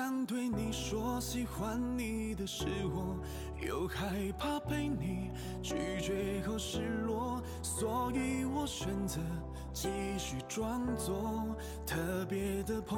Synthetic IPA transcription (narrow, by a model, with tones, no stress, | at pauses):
ɑ˧ŋt̪we˥˩ɪni˨˩ʂwɔ˧˥ɕi˥xwa˧˥nni˨˧d̪ə˧ʂɻ̩˥xɔ˥ŋ | jo̰˧ʊkʰa˥ɪpʰa˥˧pe˥ɪni˨˩ | t͡ɕy˥˩t͡ɕɥɛ˧˥xo˧˥ʊʂɻ̩˥˩lwɔ˨˥ | swɔ˧˥i˧wɔ˨˩ɕɥɛ˧˥nd͡zə˧˥ | t͡ɕi˥ɕy˨˩ʈ͡ʂwɑ˥ŋt͡sɔ˧˥ | t̪ʰɤ˥˧˩pjɛ˧˥d̪ə˨pʰo˧